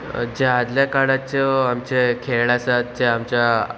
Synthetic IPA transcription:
d͡ʑead̪ljakaɽat͡ɕəamt͡ɕekʰeɭɭasat̪̚d͡ʑeamt͡ɕja

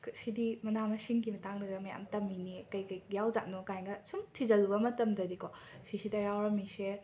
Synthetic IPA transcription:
ksidimɐnamɐsiŋkimɐtaŋdɐɡɐmɐja̰mtɐmːinikɐjkɐjjawd͡ʒaʔ̚nokajŋɡɐsumtʰizɐlubɐmɐtɐmdɐdiko | sisidɐjawɾɐmise

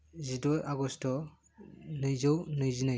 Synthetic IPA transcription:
zidɔjaɡɔstɔ | nɯjzɔwnɯjzinɯj

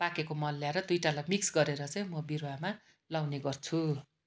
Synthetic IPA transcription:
pakekomʌnːjaɾʌd̪ujʈalajmiksɡʌɾeɾʌt͡saj̃mʌbiɾowama | lawneɡʌrt͡sʰu

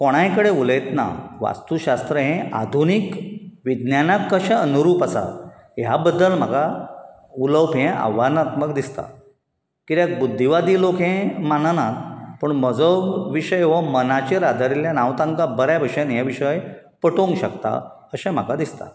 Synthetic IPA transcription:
koɽ̃ãjkəɽeulet̪na̰ʋa̰st̪uɕast̪ɾəɦẽad̪ʱunikʋid̪njanakːəɕɛ̃ənuɾuːpasa̰ | jabəd̪ːəlm̤aɡa | uləwpɦẽʔa̰ʋanat̪məkd̪ist̪a̰ | kit̪jak̚bud̪ʱːiʋad̪iːlokɦẽmananapəɳməd͡zəwʋiɕəjeʋɔmənat͡ɕeɾad̪aɾiljanãʋt̪ãŋkabəɾjabʱəɕenjaʋiɕəj | pəʈõŋɡɕəkt̪a̰ | əɕãm̤akad̪ist̪a̰

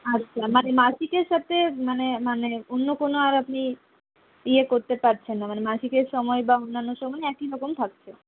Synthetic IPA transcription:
atːɕʰamanemaʃikeɾʃat̪ʰemanemaneonːokonoaɾapni | iekoɾt̪epaɾt͡ɕʰenːamanemaʃikeɾʃɔmɔebaonːanːoʃɔmɔeɛkiɾɔkomt̪ʰak̚t͡ɕʰe

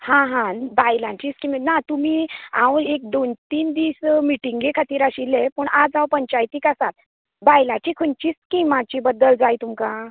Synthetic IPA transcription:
hãɦãbajlãt͡ɕiːskimnat̪umiã̰wek̚d̪ont̪iːnd̪ismiʈiŋɡekʰat̪iːɾaɕilepəɳad͡zãwpəɲt͡ɕajt̪iːkasat̪̚ | bajlãt͡ɕiːkʰuɳt͡ɕiːskimat͡ɕibəd̪ːəld͡zajt̪umka

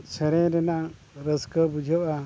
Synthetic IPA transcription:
t͡ʃʰɛɾɛ̃ɾɛna | ɾəskəbud͡ʒʱəʔa

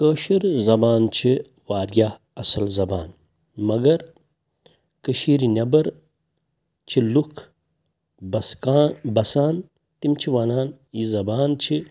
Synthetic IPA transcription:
kəːʃiɾzɐbaːnt͡ʃʰi | waːɾja | ɐsɐlzɐbaːn | mɐɡɐɾ | kəʃiːɾinʲɐbɐɾ | t͡ʃʰilukʰ | ɐabɐsaːn | t̪imt͡ʃʰiʋaːnaːn | jizɐbaːnt͡ʃʰi

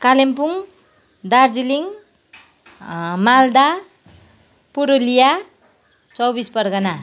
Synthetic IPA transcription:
kalempuŋ | d̪ard͡ziliŋ | mald̪a | puɾolija | t͡sʌwbispʌrɡʌna

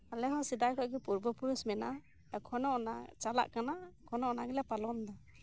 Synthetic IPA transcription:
alɛɦasidajkʰɔʔɡɛpuɾbɔpuɾusmɛna | ɛkʰɔnɔɔnat͡ʃala̰ʔkanaɛkʰɔnɔɔnaɡɛlapalɔnd̪a

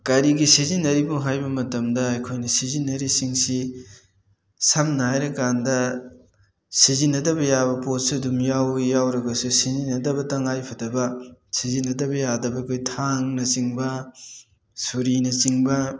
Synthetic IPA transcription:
kɐɾiɡisizinːɐɾibumɦajbɐmɐtɐmdɐːjkʰojnɐsizinːɐɾisiŋsi | sɐmnɐhajɾɐkandɐ | sizinːɐdɐbɐjabɐpot̚sidumjawjawɾɐɡɐsusizinːɐdɐbɐtɐŋajpʰɐdɐbɐsizinːɐdɐbɐjadɐbɐɐkʰojtʰaŋnɐsiŋbɐ | suɾinɐt͡ʃiŋbɐ

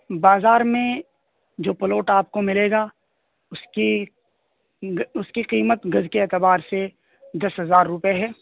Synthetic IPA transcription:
baːzaːɾmẽ | d͡ʒoːpɐloːʈaːp̚komɪleːɡa | ʊski | ʊskiqiːmət̪ɡɐzkeɛːt̪əbaːɾse | d̪ɐsɦɐzaːɾːʊpeɦɛː

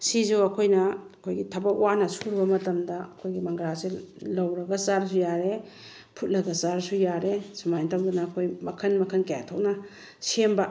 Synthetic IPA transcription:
sizuwɐkʰojnɐɐkʰojɡitʰɐbɐkwanɐsuɾbɐmɐtɐmdɐɐkʰojɡimɐŋɡɾaselɐwɾɐɡɐsaɾs̬ujaɾe | pʰut̚lɐɡɐsaɾsujaɾesumajntʰawdunaːkʰojmɐkʰɐnmɐkʰɐnkaja̰tʰownɐ | semba

